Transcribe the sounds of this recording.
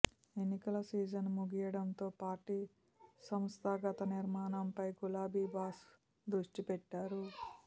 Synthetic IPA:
e̞nːikɐlɐsiːd͡ʒɐnmuɡijɐɽɐnt̪o̞ːpaːʈi | sɐmst̪ʰaːɡɐt̪ɐniɾmaːnɐmpɐjkulaːbiːbaːs | d̪ɾuʂʈipɛʈːaːɾu

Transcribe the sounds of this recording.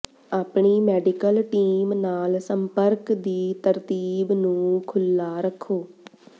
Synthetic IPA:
aːpɳiːmɛːɖɪkəlʈiːmnaːlsəmpəɾkd̪iːt̪əɾt̪iːbnũːkʰʊlːaːɾəkʰːoː

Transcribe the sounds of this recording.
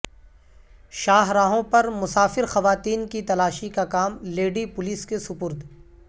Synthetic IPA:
ʃaːɦɾaːɦõpɐɾmʊsaːfɪɾxɐʋaːt̪iːnkit̪ɐlaːʃikakaːmleːɖipʊliskesʊpʊɾd̪

